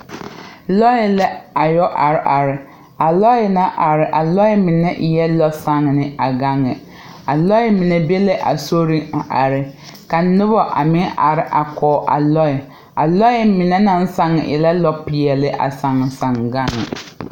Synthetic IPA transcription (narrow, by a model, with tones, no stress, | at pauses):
lɔ˦jɪ˦lɛ˦a˨jɔ˦ʔa˨ɾɪ˦˨ʔa˨ɾɪ˨ | a˨lɔ˦jɪ˨na˦ʔa˨ɾɪ˨ʔa˨lɔ˦jɪ˦mi˨nɛ˦ʔjɛ˦lɔ˦sa˦ŋ˨nɪ˦a˨ɡa˦ŋːɪ˨ | a˨lɔ˦ɪ˦mi˨nɛ˨be˦lɛ˦ʔa̰˨so˦ɾi˦a˨ʔa˨ɾɪ˨ | ka˨˦nʊ˦bɔ˦ʔa̰˨mɪ˦nʔa˨ɾɪ˦ʔa˨kɔː˨ʔa̰˨lɔ˦ɪ˨ | a˨lɔ˦jɪ˦mi˨nɛ˦na˦n˦sa˦ŋɪ̰˨ʔɛ̰˨la˦lɔ˦pɪ˨jɛ˨lɪ˦ʔa̰˨sa˨ŋɪ˨sa˨ŋɡa˦ŋːɪ̰˨